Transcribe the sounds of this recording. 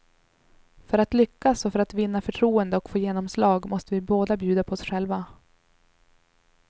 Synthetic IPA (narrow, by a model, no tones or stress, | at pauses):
fœɾat̪lʏkːasɔfœɾat̪vɪnːafœʈʰɾuːənd̪əɔkfoːjeːnɔmslɑːɡmʔɔst̪əvɪboːd̪abjʉ̟ːd̪apʰɔɔsɧɛlva